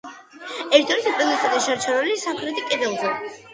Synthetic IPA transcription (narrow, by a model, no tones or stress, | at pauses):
ɛɾt̪ʰɛɾit̪ʰupʼɾɛnist̪ʰʼad̪aʃaɾt͡ʃʰaɾɛlisamχɾɛt̪ʰikʼɛd̪ɛlˠzɛ